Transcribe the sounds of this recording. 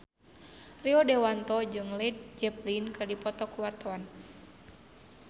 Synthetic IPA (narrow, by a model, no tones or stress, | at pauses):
riɔdɛwant̪ɔd͡ʒɨŋlɛt̪̚d͡ʒɛplinkɨrdipɔt̪ɔkuwart̪aan